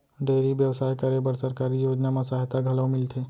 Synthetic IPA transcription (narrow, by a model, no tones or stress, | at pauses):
ɖeːɾiʋjəʋsaːjkaɾebəɾsəɾkaɾijoːd͡ʒnamãsaɦt̪aɡʱɐləʋmɪlt̪ʰe